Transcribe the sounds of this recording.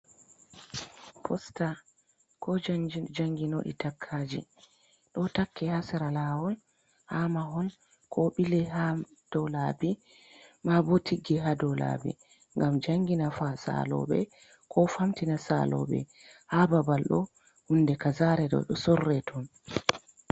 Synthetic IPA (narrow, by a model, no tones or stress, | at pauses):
pʰɔsta | kʰɔd͡ʒd͡ʒaŋɡino̰ɗḭtakʰːad͡ʒḭ | ɗɔtakːɛhasɛɾalaːwɔn | hamaɦɔn | kʰɔɓilɛha | d̥ɔlabi | mabotʰiɡɛɦadɔla̰bḭ | ŋɡamd͡ʒaŋɡinafasa̰lɔ̰ɓɛ̰ | kʰɔfamtinasa̰lɔ̰ɓɛ̰ | hababalɗɔ̰ | hundɛkazaɾɛɗɔ̰ɗɔsɔrːɛtʰɔn